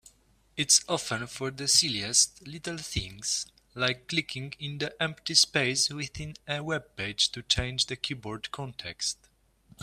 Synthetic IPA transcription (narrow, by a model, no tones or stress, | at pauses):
ɪtsɔfɛ̃nfɔɹðəsiliɛstlitəl̩θĩŋs | laɪkʰːlikʰĩŋɪ̃nd̪iʔɛ̃mpt̪ispeɪswɪθĩnəwɛb̚peɪd͡ʒt̪ut͡ʃẽɪ̃nd͡ʒðəkʰibɔɹdkʰɔ̃ntʰɛkst̪